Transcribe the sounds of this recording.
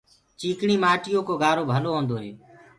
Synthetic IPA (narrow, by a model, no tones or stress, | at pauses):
t͡ʃiːkɳiːmaːʈɪjõːkoːɡaːɾoːbʱəloːɦõːnd̪oːɦeː